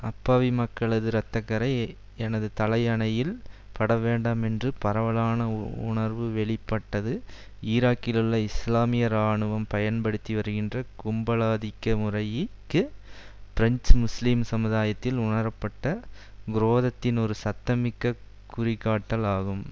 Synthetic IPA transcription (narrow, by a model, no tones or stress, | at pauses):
ɐpːaːʋimɐkːɐɭɐðɯɾɐt̪ːɐkːɐɾɐɪ | ɛnɐðɯt̪ɐlɐjɐɳɐjɪlpɐɽɐʋeːɳɖɐmɛndrɯpɐɾɐʋɐɭaːnɐʊ̰ɳɐɾʋɯʋɛɭɪpːɐʈːɐðɯ | iːɾaːkːɪlɯɭːɐɪslaːmɪjɐɾaːɳɯʋɐmpɐjɐnpɐɽɯt̪ːiʋɐɾɯɣɪndrɐkʊmbɐlaːðɪkːɐmʊrɐjɪkːɯ | fɪɾɐɲt͡ʃmʊslimsɐmɯðaːjɐt̪ːɪlʊɳɐɾɐpːɐʈːɐ | ɡɪɾoːðɐt̪ːɪnɔɾɯsɐt̪ːɐmɪkːɐ | kːʊrɪkːaːʈːɐlaːɣɯm